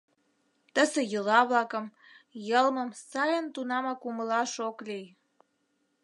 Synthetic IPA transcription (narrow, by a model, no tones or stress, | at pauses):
t̪əsejəlɑβlɑkəm | jəlməmsɑjənt̪unɑmɑkuməlɑʃoklij